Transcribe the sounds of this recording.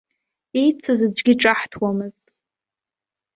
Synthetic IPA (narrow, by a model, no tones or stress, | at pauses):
ejt͡sʰɨzɨd͡ʒʷɡʲiʈ͡ʂʼaħtʰwamɨztʼ